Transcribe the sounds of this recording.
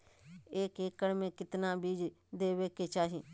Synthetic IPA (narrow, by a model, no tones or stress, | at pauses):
eːkeːkːəɽmẽːkɪt̪nãːbiːd͡ʒ | d̪eːʋeːkeːt͡ʃaːɦiː